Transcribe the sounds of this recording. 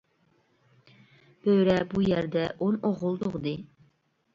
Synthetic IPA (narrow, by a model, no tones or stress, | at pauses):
b̥øɥɾɛbujæɾd̪ɛʔonoʁʊlˠd̪oʁd̪ɨ